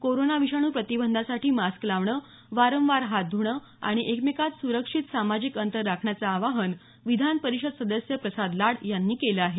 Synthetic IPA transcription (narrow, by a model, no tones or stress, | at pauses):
koɾonaʋiɕaɽ̃uːpɾət̪ibənd̪ʱasaʈʰiːmasklaʋɳə | ʋaɾəmʋaɾɦat̪̚d̪ʱuɳə | a̰ɽ̃iʔekmikat̪suɾəkʂit̪samad͡ʑikənt̪əɾːakʰɳjat͡saːʋaɦən | ʋid̪ʱanpəɾiɕəd̪səd̪əsjəpɾəsad̪laɽjanːiːkeləaɦe